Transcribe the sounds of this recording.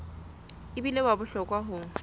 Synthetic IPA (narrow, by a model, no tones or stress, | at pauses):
ɪbilebabʊɬɔkʼwaɦʊːŋ̩